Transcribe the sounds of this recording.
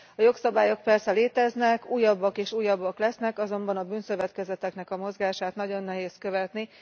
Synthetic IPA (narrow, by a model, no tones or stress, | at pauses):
ɒjo̞ksɒbaːjo̞k̚pɛrsɛleːt̪ɛznɛkuːjːɒbːɒkeːʃuːjːɒbːɒklɛsnɛkɒzo̞mbɒnɒbyːnsøvɛt̪kɛzɛt̪ɛknɛkɒmo̞zɡaːʃaːt̪nɒɟo̞nːɛɦeːskø̞vɛt̪ni